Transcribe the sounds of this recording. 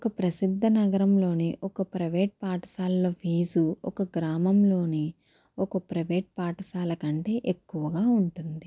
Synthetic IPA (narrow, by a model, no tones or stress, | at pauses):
okɐpɾɐsid̪ʱːɐnɐɡɐɾɐmlo̞ːniʔɔkɐpɾɐʋeːʈ̚paːʈɐ̥saːlːoːʋiːzuɔ̰kɐɡɾaːmɐmlo̞ːni | ɔkɐpɾɐʋeːʈ̚paːʈɐsaːlɐkɐɳʈe̞ːʔekːuʋɐɡaːuɳʈund̪i